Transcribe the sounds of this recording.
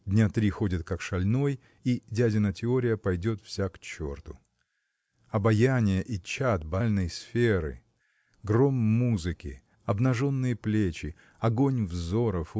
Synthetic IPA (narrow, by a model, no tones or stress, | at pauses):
dʲnʲat̪ɾʲixo̞dʲɪt̪̚kɐkʂɐlʲno̞j | idʲædʲɪnətʲɪo̞ɾʲɪjəpɐjdʲo̞t̪fsʲakt͡ɕo̞̰rt̪ʊ | ɐbɐjanʲɪjəʔit͡ɕat̪̚bɐlʲnəjsfʲeɾɨ̰ | ɡro̞mːuzɨkʲɪ̰ | ɐbnɐʐo̞nːɨjəplʲet͡ɕɪ | ɐɡo̞nʲvzo̞ɾəf